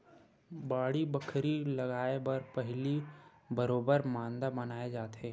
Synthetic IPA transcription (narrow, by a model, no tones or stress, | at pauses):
baːɽibəkʰɾilɐɡaːebɐɾpɐɦli | bɐɾoːbəɾmãːnd̪abɐnaːed͡ʒaːt̪ɦeː